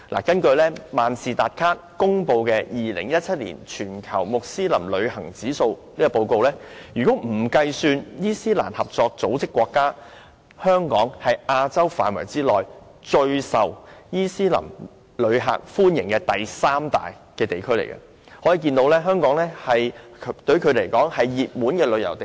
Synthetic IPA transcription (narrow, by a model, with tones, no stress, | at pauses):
lʔa̰˨˩kɐ˥nkɵ˧ɥlɛː˥maː˨nsiː˨t̪aː˨˩t̚kʰaː˥t̚kʊ˥ŋpo˧wkɛː˧jiː˨lɪ˨˩ŋjɐ˥t̚t͡sʰɐ˥t̚lḭː˨˩nt͡ʃʰyː˨˩nkʰɐ˨˩wmʊ˨k̚siː˥lɐ̰˨˩mlɵ˨˧ɥhɐ˨˩ŋt͡siː˨˥so˧w | niː˥kɔ˧po˧wko˧wlɛː˥jyː˨kɔ˨˥m̩˨˩kɐ˧jsyː˧njiː˥siː˥la̰ː˨˩nhɐ˨p̚t͡sɔː˧k̚t͡so˨˥wt͡sɪ˥kːwɔː˧kːaː˥ | hœː˥ŋkɔː˨˥ŋhɐ˨jʔaː˧t͡sɐ˥wfaː˨nwɐ̰˨˩jt͡siː˥lɔː˨j | t͡ʃɵ˧ɥsɐ˨wjiː˥siː˥lɐ̰˨˩m | lɵ˨˧ɥɦa̰ː˨k̚fuː˥njɪ˨˩ŋkɛː˧t̪ɐ˨jsaː˥mt̪a̰ː˨j | kɛː˧t̪e˨˩jkʰɵ˥ɥlḛ˨˩jkɐ̰˧ | hɔː˨˥jiː˨˧kiː˧nt̪o˨˥wlɛː˥ɦœː˥ŋkɔː˨˥ŋlɛː˥hɐ˨jʰt̪ɵ˧ɥkʰɵ˨˧ɥle˨˩jkɔː˨˥ŋhɐ˨jːiː˨p̚muː˨˥nkɛː˧lɵ˨˧ɥjɐ˨˩wt̪e˨